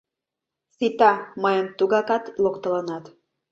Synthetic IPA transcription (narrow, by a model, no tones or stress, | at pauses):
sit̪ɑməjəmt̪uɣɑkɑt̪lokt̪ə̆lənɑt̪